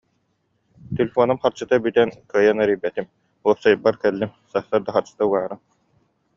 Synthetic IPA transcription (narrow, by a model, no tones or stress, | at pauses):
t̪elʲefɔnumχaɾt͡ɕɯt̪abyt̪ɛnkɯjanœɾijbɛt̪im | uɔpsajbːaɾkɛlːimsat̪aɾd̪aχaɾt͡ɕɯ̥t̪auɡaːɾɯ